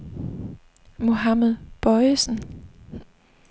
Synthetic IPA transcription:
mo̝ɦameðˠb̥ɒɪsən̩

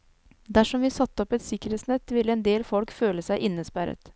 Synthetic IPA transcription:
d̪æʂɔmʋiːsɑt̪ːəɔpɛt̪sɪkəɾeːt̪snɛt̪ːʋɪlːəɛːnd̪eːlfɔlkføːləsæɪʔɪnːəspæɾə̰t̪

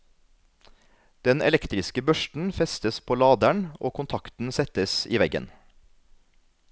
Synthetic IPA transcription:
d̪̥ɛnɛ̰lɛkt̪ɾɪskəbœʃʈn̩fɛst̪əspʰoːlɑːd̪æɳʔoːkʰʊnt̪ʰɑkt̪n̩sɛt̪əsḭːʋɛɡə̰n

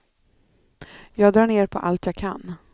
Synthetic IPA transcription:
jɑːɡd̪ɾɑːɳeːɾpʰɔʔa̰lt̪ʰjɑːɡkʰa̰nː

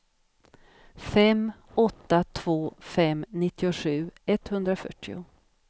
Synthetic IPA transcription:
fɛm | ɔt̪ːat̪ʰv̥oːfɛmnɪt̪ːɪʊɧʉ̟ːɛt̪hɵnd̪ɾafœ̰ʈːɪʊ̰

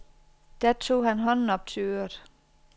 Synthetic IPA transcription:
d̥æɐt͡sʰo̝̰ːhænɦɒ̽nn̩ɒ̽b̥̚t͡sʰe̝ø̰ːɐd̥ˠ

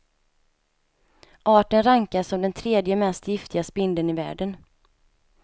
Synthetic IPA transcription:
ʔɑːʈənɾaŋkaʂɔmd̪ɛnt̪ʰɾeːd̪jəmɛst̪jɪft̪ɪɡaspɪnd̪ənɪvæ̰ːɖən

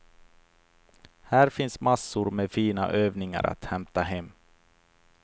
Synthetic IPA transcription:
hæːɾfɪnsmasːʊɾmefiːna̰ʔøːvnɪŋa̰ɾa̰t̪hɛmt̪aɦɛmː

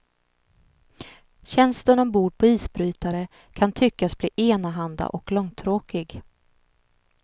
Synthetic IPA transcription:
ɕɛnst̪ənɔmbuːɾpʰɔiːsbɾyːt̪aɾə | kʰant̪ʰʏkːasbliːʔeːnaɦand̪a̰ʔɔklɔŋt̪ʰɾoːkɪɡ

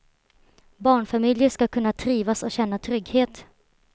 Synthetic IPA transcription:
bɑːɳfamɪljəʂkakʰɵnːat̪ʰɾiːvasɔɕɛnːat̪ʰɾʏɡheːt̪

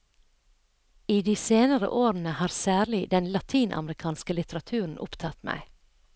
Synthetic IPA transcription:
iːd̪iːseːnəɾə̰ʔoːɾn̩əhɑːɾsæːɾlɪd̪ɛnlɑt̪ʰiːnʔɑ̰mɾɪkʰɑːnskəlɪt̪əɾɑt̪ʰʉːɾn̩ʔʊ̰pt̪ʰɑt̪mæ̰ɪ

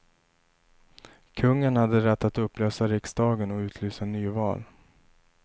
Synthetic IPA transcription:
kʰɵŋːənhad̪ːəɾɛt̪ːat̪ɵpːløːsaɾɪksd̪ɑːɡənɔʉ̟ːt̪ʰlyːsanyːvɑ̰ːl

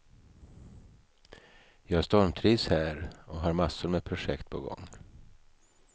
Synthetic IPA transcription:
jɑːɡhæʂt̪ɔɾmt̪ʰɾiːshæːɾɔɦaɾmasːʊɾmɛpʰɾʊʂɛkt̪̚pʰɔɡɔ̰ŋː

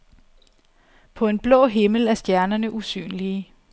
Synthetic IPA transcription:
pʰɒ̽e̝nb̥lɔ̰̽ːɦe̝ml̩æɐsd̥jæɐnɐnəʔusy̰ːnliə

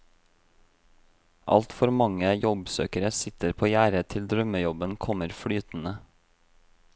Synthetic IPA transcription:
ʔɑ̰lt̪fɔɾmɑŋəjɔbsø̰ːkəɾəsɪt̪əɾpʰoːjæːɾət̪ʰɪld̪ɾœməjɔbənkʰɔməɾfɽyːt̪n̩ə

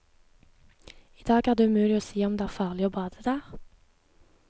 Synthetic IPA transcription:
iːd̪ɑːɡæːʁd̪eːʉmʉːlɪoːsiːɔmd̪eːæːʁfɑːʁlɪoːbɑːd̪əd̪æːʁ

